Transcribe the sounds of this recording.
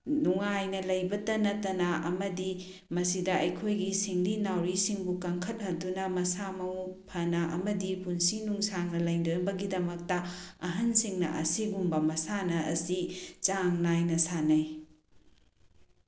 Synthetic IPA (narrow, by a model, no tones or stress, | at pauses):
nuŋajnɐlɐjbɐtɐnɐtɐnɐʔɐmɐdi | mɐsidɐʔɐjkʰojɡisiŋlinawɾisiŋbukɐŋkʰɐt̚hɐdunɐmɐsamɐwpʰɐnɐʔɐ̰mɐdipunsinuŋsaŋnɐlɐjdobɐɡidɐmɐk̚tɐɐɦɐnsiŋnɐ̰ʔɐ̰siɡumbɐmɐsanɐɐ̰sit͡ʃaŋnajnɐsanɐj